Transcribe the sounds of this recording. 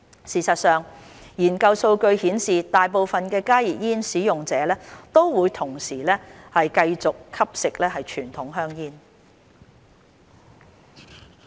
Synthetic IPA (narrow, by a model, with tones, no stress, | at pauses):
siː˨˩sɐ˨t̚sœː˨ŋ | jiː˨˩nkɐ˧wso˧wkɵ˧ɥhiː˨˥nsiː˨t̪aː˨jpo˨wfɐ˨nkɛː˧kaː˥jiː˨p̚jiː˥nsiː˨˥jʊ˨ŋt͡sɛː˨˥lɛː˥t̪o˥wwuː˨˧jt̪ʰʊ˨˩ŋsiː˨˩lɛː˥hɐ˨jkɐ˧jt͡sʊ˨kʰɐ˥p̚sɪ˨k̚lɛː˥hɐ˨jt͡ʃʰyː˨˩nt̪ʰʊ˨˥ŋɦœː˥ŋjiː˥n